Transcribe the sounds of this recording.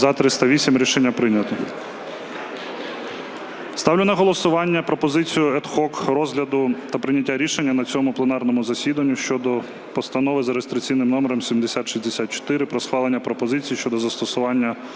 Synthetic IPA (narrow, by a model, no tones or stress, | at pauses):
zɐt̪ɾɪst̪ɐʋʲisʲimɾʲiʃenʲːɐpɾɪnʲɐt̪ɔ | st̪ɑwlʲʊnɐɦɔlˠɔsʊʋɑnʲːɐpɾɔpɔzɪt͡sʲijʊɛt̪xɔkɾɔzɦlʲɐd̪ʊt̪ɐpɾɪnʲɐtʲːaɾʲiʃe̞nʲːɐnɐt͡sʲɔmʊplˠenɑrnɔmʊzɐsʲid̪ɐnʲːʊʃt͡ʃɔd̪ɔ | pɔst̪ɐnɔʋɪzɐɾest̪ɾɪkt͡sʲijnɪmnɔmeɾɔmsʲimd̪esʲat̪ʃizʲd̪esʲat̪̚t͡ʃɔ̥t̪ɪɾɪpɾɔsxʋɑlˠenʲːɐpɾɔpɔzɪt͡sʲijːʃt͡ʃɔd̪ɔzɐst̪ɔsʊʋɑnʲːɐ